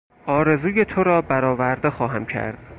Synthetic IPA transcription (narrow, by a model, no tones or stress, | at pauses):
ʔɒːɾe̞zuːje̞t̪ʰoɾɒːbæɾɒːvæɾd̪e̞xɒːɦæmcʰæ̰ɾd̪̥